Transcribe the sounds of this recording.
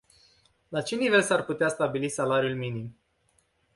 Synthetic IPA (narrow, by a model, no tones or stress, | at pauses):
lat͡ʃe̞nive̞lsarput̪east̪abilisalaɾiulminim